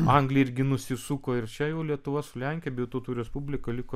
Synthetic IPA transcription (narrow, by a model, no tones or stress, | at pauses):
ɐŋɡlʲɪɪɾʲɡʲɪnʊsʲɪsuːkoːɪrt͡ʃʲɛjɛʊlʲiɛt̪ʊʋɐsʊlʲɛŋʲkʲeɛbʲejʊt̪oːt̪uːɾʲɛspubʲlʲɪkɐlʲɪkoː